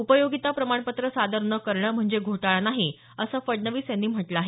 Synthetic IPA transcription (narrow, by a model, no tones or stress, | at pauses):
upəjoɡit̪apɾəmaɳpət̪ɾəsad̪əɾnəkəɾɳəːm̤əɳd͡zeɡʱoʈaɭanaɦi | əsəːfəɖnəʋiːsjanːiːm̤əʈlaːɦe